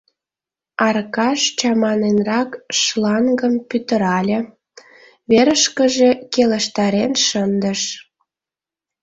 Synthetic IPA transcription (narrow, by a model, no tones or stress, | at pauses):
ɑrkɑʃt͡ɕɑmɑnenrɑkʃlɑŋɡəmpyt̪ə̆ɾɑlʲĕ | βeɾəʃkəʒekeləʃt̪ɑɾenʃənd̪əʃ